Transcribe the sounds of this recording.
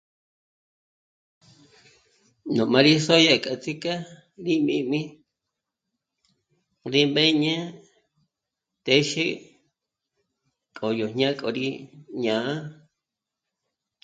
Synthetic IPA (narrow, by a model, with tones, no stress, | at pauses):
nõ˨mã˧ɾi˦so˦ja˦˨kʼa˨t͡si˦ka˦ | ɾi˦mĩ˧mĩ˦ | ɾi˦mbe˦ɲẽ˦ | t̪e˦ʃi˦ | kʼo˨jo˨ɲã˦kʼo˨ɾi˦ɲãː˨˦a˦